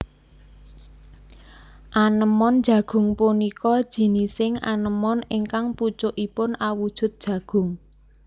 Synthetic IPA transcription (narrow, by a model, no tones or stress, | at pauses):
ʔanəmɔn̥d͡ʒ̥ä̤ɡ̥ʊ̤ŋpunikɔd̥ʒ̥i̤nisɪŋa̰nəmɔnɪŋkaŋput͡ʃʊʔipʊnawud̥ʒ̥ʊ̤t̪̚d̥ʒ̥ä̤ɡ̥ʊ̤ŋ